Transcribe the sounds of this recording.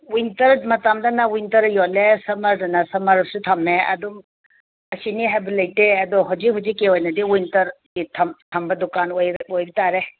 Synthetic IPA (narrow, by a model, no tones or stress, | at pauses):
wijnt̪ɐɾmɐt̪amdɐnawujnt̪ɐɾjɔlesɐmɐɾdɐnasɐmɐɾsut̪ʰɐmeɐ̰d̪um | ɐsiniɦebilajʈeɐd̪ɔɦɔd͡ʒiɦud͡ʒikewɔjnɐd̪iwuntɐɾ | it̪ʰɐmt̪ʰɐmbɐd̪ukanojojbit̪aɾe